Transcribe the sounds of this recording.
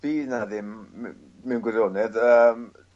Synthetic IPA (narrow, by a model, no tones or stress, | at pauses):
b̥iːnaðɪm | mɛwnɡwɪðonɛdəːm